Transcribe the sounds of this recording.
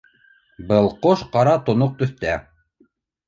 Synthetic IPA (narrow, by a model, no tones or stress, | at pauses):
bɤlˠqoʃqɑɾɑt̪ŏnoq̚t̪ɵ̆θt̪æ